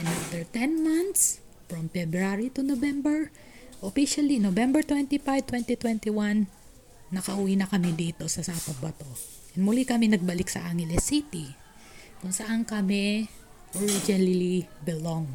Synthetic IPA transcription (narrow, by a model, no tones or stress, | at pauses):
ɛnaft̪ɛɹt̪ɛnmãnt̪s | fɹɐmfɛbɾaɾit̪ʊnovɛmbɛɹ | ʔofiʃɐlinovɛmbɛɹt̪wɛnt̪ifajv̚t̪wɛnt̪it̪wɛnt̪iwanː | ɐkɐʔʊwinɐkɐmid̪iːt̪o̞sɐsapɐt̪̚bɐt̪o̞ | ɐnmʊlikɐmɪnɐɡ̚bɐlɪksɐ̰ʔaŋhɛlɛsit̪i | kʊŋsɐʔankɐmɛ | ʔoɹid͡ʒɪnllibɪloŋ